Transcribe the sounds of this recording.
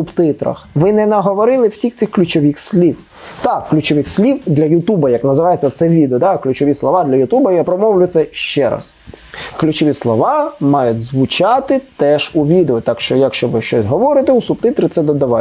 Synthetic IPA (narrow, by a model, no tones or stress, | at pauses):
ʊbt̪ɪt̪ɾɐ̰xʋɪnɛnɐɦɔʋɔɾɪlˠɪwsʲixt̪sɪxklʲʊt͡ʃɔʋʲixsʲlʲiw | t̪ɑkːlʲʊt͡ʃɔʋɪxsʲlʲiwd̪lʲɐjʊt̪ubɐjɐknɐzɪʋɑjet͡sʲːɐt̪sɛʋʲid̪eɔd̪ɑklʲʉt͡ʃɔʋʲislˠɔʋɑd̪lʲɐjʊt̪ubɐjapɾɔmɔwlʲʊt̪sɛʃt͡ʃɛɾɑ̰s | klʲʉt͡ʃɔʋʲislˠɔʋɑmɑjʊtʲzʋʊt͡ʃɑt̪ɪt̪ɛʒuʋʲid̪eʊt̪ɑkʃt͡ʃɔjɐkʃt͡ʃɔʋɪʃt͡ʃɔsʲɦɔʋɔɾɪt̪ɪusʊb̚t̪ɪt̪ɾɪt̪sɛd̪ɔd̪ɐʋɑ